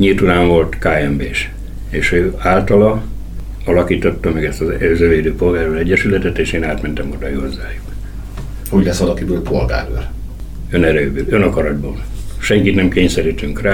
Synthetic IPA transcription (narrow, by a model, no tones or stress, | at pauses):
ɲilt̪ut̪aːɱvo̞lt̪kaːɛmbeːʃ | eːʃøːaːlt̪ɒlɒ | ɒlɒkiːt̪o̞t̪ːɒmɛɡɛst̪ɒzøzøveːd̪øːpo̞lɡaːrølɛɟːɛʃylɛt̪ɛt̪eːʃeːnaːt̪mɛnt̪ɛmod̪ɒihozːaːjuk | hoɟlɛsʋɒlɒkibøːlpʰolɡa̰ːɾo̰l | ønɛɾøbylønɒkɒɾɒd̪̚bo̰ːlʃɛŋkit̪nɛmkeːɲsɛɾiːt̪yŋkraː